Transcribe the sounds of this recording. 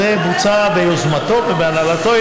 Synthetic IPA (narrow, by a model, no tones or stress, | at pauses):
ebut͡sabejozmat̪o̞vebeanalat̪o̞